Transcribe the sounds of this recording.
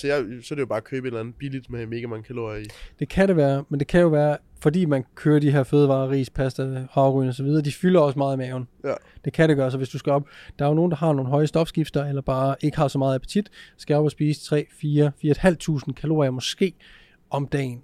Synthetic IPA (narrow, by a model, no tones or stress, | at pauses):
sɒjasɒd̥ejob̥ɑ̈ːkʰøːb̥əenlænð̩ˠb̥ilid̥meme̝ːɡ̥æmɑ̈ŋəkʰælo̝id̥e̝kʰæɾe̝ʋæːɐmend̥e̝kʰæjo̝ʋæːɐ | fɒ̽dḭːmænkʰøːɐd̥iɦe̝ɐføːð̞ˠʋɑ̰̈ːʁḭːspʰæsd̥æhɑʊʁynɒ̽sɒʋið̞ˠɐːd̥ifylɐɒ̽smɑ̈ːðˠimɛːʊn̩d̥e̝kʰæɾe̝ɡ̥ɶːɐsɒ̽ʋesd̥usɡ̥æɒ̽b̥d̥ɑ̈ɐjo̝no̝ːn̩d̥ɑ̈ɦɑ̈no̝ːn̩ɦɒ̽ɪəsd̥ɒ̽b̥sɡ̥ib̥sd̥ɐelɐb̥ɑ̈ːe̝ɡ̥əhɑ̈sɒ̽mɑ̈ːð̩ˠæpʰt͡sʰid̥sɡ̥æɒ̽b̥ɒsb̥iːsə̥t͡sʰʁɛ̰ːfiːɐfiːɐed̥hæl̰d̥̚t͡sʰṵːsn̩kʰælo̝̰ːiɐmɒ̽sɡ̥e̝̰ː | ʔɒ̽md̥ɛ̰ːn̩